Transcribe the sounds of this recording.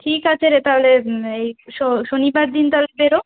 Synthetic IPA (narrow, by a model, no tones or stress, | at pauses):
ʈʰikat͡ɕʰeɾet̪aɦoleejʃoʃonibaɾd̪int̪aɦolebeɾo